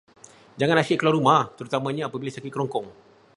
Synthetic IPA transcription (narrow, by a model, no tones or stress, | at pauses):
d͡ʒaŋãnasiʔkəlwaɾumaht̪əɾut̪amãɲãːpabilasakit̪̚kəɾɔŋkɔŋ